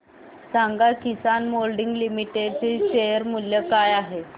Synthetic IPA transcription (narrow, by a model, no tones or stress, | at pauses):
saŋɡakisanmolɖiŋɡlimiʈeɖt͡seɕejəɾmuljəkajaɦe